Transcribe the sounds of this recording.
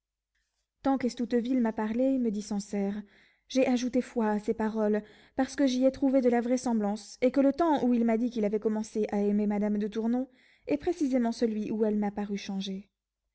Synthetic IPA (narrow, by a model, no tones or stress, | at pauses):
t̪ɑ̃kɛst̪ut̪vilmapaʁleməd̪isɑ̃sɛʁ | ʒɛʔaʒut̪efwaːsepaʁɔl | paʁsə̥kəʒiɛt̪χuved̪əlavʁɛsɑ̃blɑ̃sekələt̪ɑ̃uilmad̪ikʲilavɛkɔmɑ̃seʔaɛmemad̪amd̪ət̪uʁnɔ̃ | ɛpχesizemɑ̃səlɥiʔuɛlmapaʁyʃɑ̃ʒe